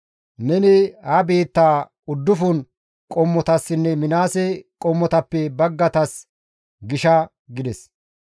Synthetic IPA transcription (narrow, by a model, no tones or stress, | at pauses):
nɛnɪhɐbe̞ːt̪ːaː | ʊd̪ːʊfʊn | kʼɔmːɔt̪ɐsːɪnːɛmɪnaːsɛkʼɔmːɔt̪ɐpːɛbɐɡːɐt̪ɐs | ɡɪʃɐ | ɡɪd̪ɛs